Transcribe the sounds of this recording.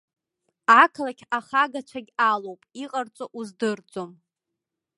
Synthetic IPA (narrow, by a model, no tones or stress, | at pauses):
akʰlakʲʰaχaɡat͡ʃʷʰaɡʲalowpʼiqʼart͡sʷʼoʔuzdɨrt͡sʼom